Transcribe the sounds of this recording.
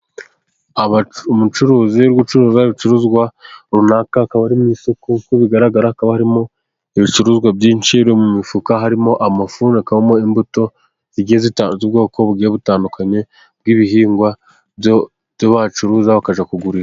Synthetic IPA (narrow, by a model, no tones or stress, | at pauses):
aβamut͡ʃuɾuːziɾɡut͡ʃuɾuːzaiβit͡ʃuɾuzɡwaɾunakakaβaɾimisokukuβiɡaɾaɡaɾaakaβahaɾimo̞ | iβit͡ʃuɾuːzɡwabjiɲt͡ʃiɾomumifukaɦaɾimo̞ʔamafuːnekaβamo̞imbuto̞ | ziɡiezitazib̚ɡo̞ːko̞βuɡiːjeβutaːndukʰaɲe̞ | b̚ɡiβiɦiːŋɡwa | joβat͡ʃuɾuːzaβakaʒakuɡuɾiɾa